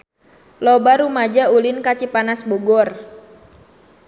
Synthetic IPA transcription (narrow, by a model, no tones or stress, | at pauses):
lɔbaɾumad͡ʒaulinkat͡ʃipanasbɔɡɔr